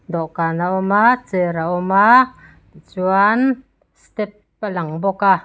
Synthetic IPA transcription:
d̪ɔʔkanaʔɔmat͡səɾaʔɔma | t͡suan | st̪ɛpːalaŋbɔka

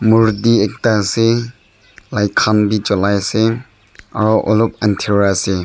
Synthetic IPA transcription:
muɾdiek̚dase | lajkʰanbid͡ʒɔlajse | a̰ɾɔʔɔlɔp̚antʰiɾɾase

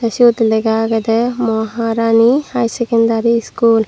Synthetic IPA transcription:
t̪ɐʃud̪leɡaːɡɐd̪emoːɦaːɾaːnihajsekɐnd̪aːɾiskuːl

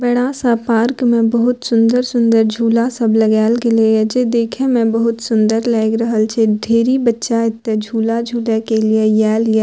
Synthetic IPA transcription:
bəɽasapaːɾkmẽbəɦʊt̪sʊ̃nd̪əɾsʊ̃nd̪əɾd͡ʒʱuːlasəbləɡɛːlɡeled͡ʒed̪eːkʰẽmɛ̃bəɦʊt̪sʊ̃nd̪əɾlɛːɡɾəɦəlt͡ʃʰeɖʱeːɾibətːʃaɪt̪ːed͡ʒʱuːlad͡ʒʱuːlekeliejɛːlie

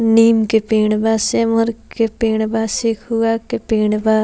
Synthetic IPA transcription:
niːmkepeːɳbaːseməɾkepeːɳbaːsikʰuaːkepeːɳbaː

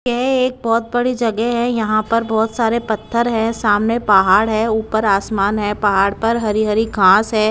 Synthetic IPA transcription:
jɛɦeːk̚bɔːt̪̚bɐɽid͡ʒɐɡɛɦɛ̃jɐɦãpɐɾbɔːt̪saːɾepɐt̪ʰːəɾɦɛ̃saːmnepɐɦaːɽɦɛːuːpəɾaːsmaːnɦɛpɐɦaːɽpɐɾɦɐɾiɦɐɾiɡʱãːsɦɛː

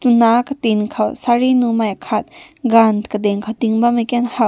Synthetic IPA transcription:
t̪unakət̪inkʰawsaɾinumajakʰat̪̚ | ɡankəd̪ɛŋkʰawt̪iŋbamakɛnhaw

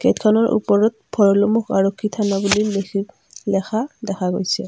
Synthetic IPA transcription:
ɡ̥ɛtkʰanɔɹʔṵpɔɹɔt̚bʱɔɹɔlomuxaɹokʰːitʰanabuli | lɛxʰadɛkʰaɡojsɛ̰

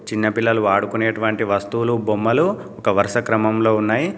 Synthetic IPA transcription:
t͡ʃinːɐpilːɐluʋaːɽukuneːʈuʋɐɳʈiʋɐst̪uulubomːɐlu | ɔkɐʋɐɾʂɐkɾɐmɐmlo̞ːunːaːji

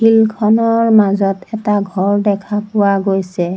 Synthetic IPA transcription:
hilkʰɔnɔɹmazɔtɛtaɡʱɔɹdɛkʰapʊwaɡojsɛ

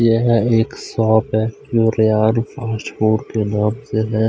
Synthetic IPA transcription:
jeɦeːksaːbɛ | joɾɪjaːlpaːʃhuːɾkenaːmseɦɛ̃

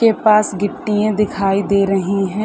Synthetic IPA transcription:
eːpaːsɡɪʈːijãːd̪ɪkʰaːiːd̪eːɾəɦiːɦɛ̃ː

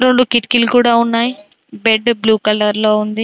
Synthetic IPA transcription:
ɾo̞ɳɖukiʈkilukuːɽaːunːaːji | beɖbluːkɐlɐɾlo̞ːund̪i

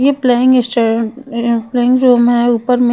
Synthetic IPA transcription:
jepleːɪ̃ŋɡesʈoɾ | pleːɪ̃ŋɡɾoːmɦɛuːpəɾmẽ

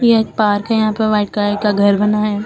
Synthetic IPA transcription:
jeeːk̚paːɾkajɐɦãːpɐɾʋaːɪʈ̚kakaɡʱɐɾbɐnaɦɛː

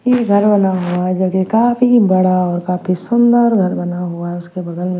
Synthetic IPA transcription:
jeɡʱɐɾbɐnaɦoaɦɛd͡ʒokekaːfʰibɐɽaɔːɾkaːpʰisʊnd̪əɾɡʱɐɾbɐnaɦoaɦɛʊskebɐd̪əlmẽ

